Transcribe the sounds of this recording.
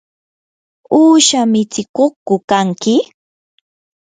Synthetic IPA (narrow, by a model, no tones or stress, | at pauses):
uːʃamɪt͡sɪkokʊkaŋkɪ